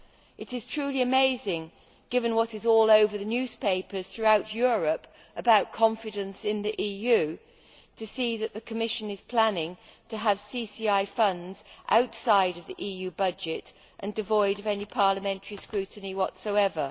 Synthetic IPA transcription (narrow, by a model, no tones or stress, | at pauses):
ʔɨɾɨz̥tʰɹ̥ʉliɨmeɪzɪ̃ŋ | ɡ̥ɪvɨ̃nwʌɾɨzɔlˠoʊvə˞ðɨnjʉz̥pʰeɪpə˞z̥θɹʉaʊt͡ʃjʊɹɨp | əbaʊt̚kʰɑ̃ɱfɨɾɨ̃nsɪ̃nðiʔijʉ | tʰɨsiðɨt̪ʔ̪̚ðɨkʰəmɪʃɨ̃nɨz̥pʰl̥ænɪ̃ŋtʰɨːv̥sisiaɪfʌ̃ndz̥ʔa̰ʊtsaɪɾʌvðiʔijʉbʌd͡ʒɪɾ | ʔɨ̃ndɨvɔɪɾʌvɛnipʰɑɹləmɛ̃ntʰə˞iskɹʉʔn̩iwʌtsoʊɛvə˞